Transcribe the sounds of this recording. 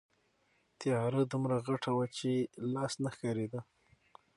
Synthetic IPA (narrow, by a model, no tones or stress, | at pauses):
t̪ɪjɑɾəd̪umɾaɣaʈʰawat͡ʃelɑsnaxkɑɾed̪a